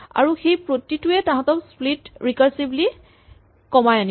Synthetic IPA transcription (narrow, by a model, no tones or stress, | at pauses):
a̰ɹuxejpɹotːituɛtãɦɔ̃tɔksplitɹikaɹsibli | kɔmajani